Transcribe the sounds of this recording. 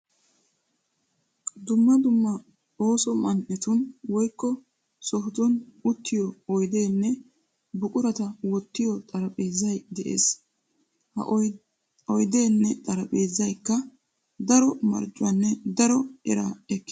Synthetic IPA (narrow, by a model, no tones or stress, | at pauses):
d̪ʊmːɐd̪ʊmːɐ | o̞ːsɔmɐnʔɛt̪ʊnwɔjkːɔ | sɔɦt̪ɔnʊt̪ːɪjɔɔjd̪e̞ːnːɛ | bʊkʼʊɾɐt̪ɐwɔt̪ːɪjɔt̪ʼɐɾɐpʼeːzɐjd̪ɛʔḛːs | hɐ | ɔjd̪e̞ːnːɛt̪ʼɐɾɐpʼe̞ːzɐjkːɐ | d̪ɐɾɔmɐ̰ɾt͡ʃʼːʊɐnːɛd̪ɐɾɔɛɾa̰ːɛkːɪ